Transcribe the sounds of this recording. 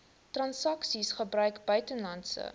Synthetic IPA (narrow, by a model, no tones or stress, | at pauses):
trɐnsɐksisχəbrœɥkbœɥtənlɐntsə̰